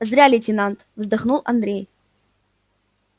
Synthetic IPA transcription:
zɾʲalʲɪtʲɪnant̪vzd̪aχnulˠʔɐ̰nd̪ɾʲej

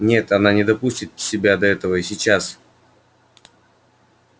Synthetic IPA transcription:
nʲe̞t̪ɐnanʲɪd̪ɐpusʲtʲɪt̪sʲɪbʲad̪ɐɛt̪əvəɪsʲɪt͡ɕas

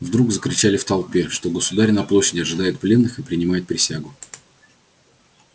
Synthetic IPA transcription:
vd̪ɾuɡzəkɾʲɪt͡ɕalʲɪft̪ɐlˠpʲe̞ʂt̪o̞ɡəsʊd̪aɾʲɪnɐplˠo̞ɕːɪdʲɪɐʐɨd̪ajʊt̪̚plʲe̞nːɨxɨpɾʲɪnʲɪmajʊt̪̚pɾʲɪsʲaɡʊ

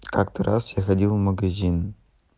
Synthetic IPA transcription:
kakt̪ʰəɾʔasjaxɐdʲilˠmɐɡɐzʲin

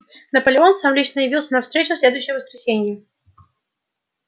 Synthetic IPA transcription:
nəpəlʲɪo̞nsamlʲit͡ɕnəjɪvʲilˠsʲənɐfst̪ɾʲet͡ɕʊsʲlʲed̪ʊjɕːɪjəvəskɾʲɪsʲenʲɪjə

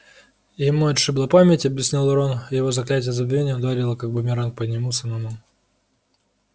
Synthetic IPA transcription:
jɪmuɐt̪ʂɨblˠapamʲɪtʲɐbʲjɪsʲnʲilˠɾonɪjɪvo̞zɐklʲætʲɪjəzəbʲvʲenʲɪjəʊd̪aɾʲɪlˠəkaɡ̚bʊmʲɪɾank̚pədʲnʲɪmusɨnɐmum

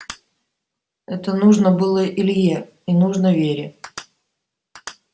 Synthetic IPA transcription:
ɛt̪ənuʐnəbɨlˠəʔɪlʲje | inuʐnəvʲeɾʲɪ

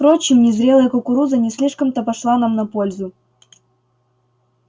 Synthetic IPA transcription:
pɾot͡ɕɪmnʲɪzɾʲelˠəjəkʊkʊɾuzənʲɪsʲlʲiʂkəmt̪əpɐʂlˠanamnɐpolʲzʊ

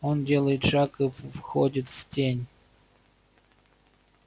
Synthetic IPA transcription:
ondʲelˠəjɪt̪ʂɑkɨfvxodʲɪt̪v̥tʲenʲ

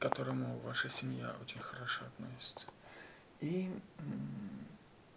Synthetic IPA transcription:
kɐt̪oɾəmʊvaʂɨsʲɪmja̰ot͡ɕɪnʲxɐɾɐʂoɐt̪nosʲɪ̥t̪sə̥ | i

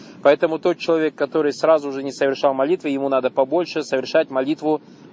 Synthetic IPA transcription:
pɐɛt̪əmʊt̪o̞t̪̚t͡ɕɪlˠɐvʲe̞kːɐt̪o̞ɾɨjsrazʊʐɨnʲɪsəvʲɪrʂɑlˠmɐlʲit̪vɨjɪmunad̪əpɐbo̞lʲʂɨsəvʲɪrʂatʲmɐlʲit̪vʊ

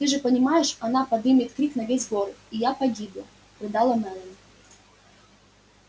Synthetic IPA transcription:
t̪ɨʐɨpənʲɪmajɪʂɐnapɐd̪ɨmʲɪt̪kɾʲiknɐvʲesʲɡoɾijapɐɡʲibʊ | pɾʲɪd̪alˠɐmɛlˠənʲ

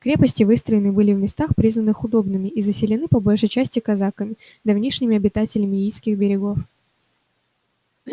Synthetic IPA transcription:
kɾʲe̞pəsʲtʲɪvɨst̪ɾəjɪnɨbɨlʲɪvmʲɪst̪axpɾʲiznənɨxʊd̪o̞bnɨmʲɪʔizəsʲɪlʲɪnɨpɐbolʲʂəjt͡ɕæsʲtʲɪkɐzakəmʲɪd̪ɐvnʲiʂnʲɪmʲɪɐbʲɪt̪atʲɪlʲɪmʲɪijskʲɪxbʲɪɾʲɪɡo̞f

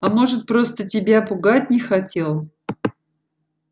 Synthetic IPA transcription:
ɐmo̞ʐɨt̪̚pɾo̞st̪ətʲɪbʲapʊɡat̚ʲnʲɪxɐtʲe̞lˠ

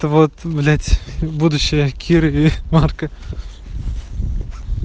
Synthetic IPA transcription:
t̪əvot̪vlʲætʲbud̪ʊɕːɪjəkʲʰiɾɨimarkə

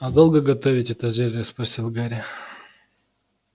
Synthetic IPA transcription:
ɐd̪o̞lˠɡəɡɐt̪ovʲɪtʲɛt̪əzʲelʲɪəsprɐsʲilˠɡaɾʲɪ

